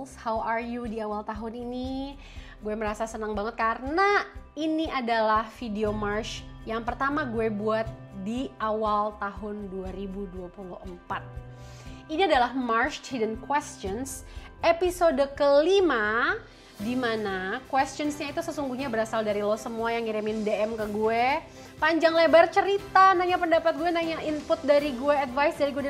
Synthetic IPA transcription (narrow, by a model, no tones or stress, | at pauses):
shawarjudiawalt̪aɦʊnini | ɡuɛməɾasasənaŋbaŋət̪̚karənainiadalahfideomarʃjaŋpərt̪amaɡuɛbuat̪̚ | diawalt̪aɦʊnduaɾibuduapulʊhəmpat̪̚ | iniadalahmarʃt̪hidənkwɛstt͡ʃɔnsepisodkəlima | dimanakwɛst͡ʃɔnsɲait̪usəsuŋɡuhɲabəɾasaldaɾilɔsəmuajaŋiɾimɪndeɛmkəɡuɛ | paɲd͡ʒaŋlebart͡ʃəɾit̪anaɲapəndapat̪̚ɡuɛnaɲaʔimpʊt̪̚daɾiɡueadvajsdaɾiɡue